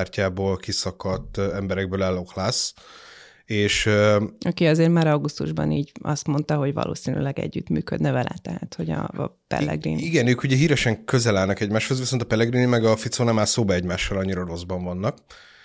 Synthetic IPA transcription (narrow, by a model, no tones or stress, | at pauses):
rcaːboːlkisɒkɒt̪ːɛmbɛɾɛɡ̚bøːlɛlo̞klaːs | eːʃɒkiɒzeːrmaːɾɒɡust̪uʒbɒ̰niːɟɒst̪mo̞nt̪ɒɦo̞ɟvɒ̰lʔo̰ːsiny̰lɛɡɛ̰ɟːyt̪myːkød̪nɛvɛlʔɛ̰t̪ɛɦat̪ho̞ɟɒ̰pɛ̰lːɛ̰ɡrḭniɡɛnøːkuɟɛɦiːɾɛʃɛŋkøzɛlaːlnɒkɛɟmaːʃho̞zviso̞nt̪ɒpɛlːɛɡrinimɛɡɒfit̪soːnɛmaːlsoːbɒɛɟmaːʃːɒlɒɲːiɾoɾo̞zbɒɱvɒnːɒk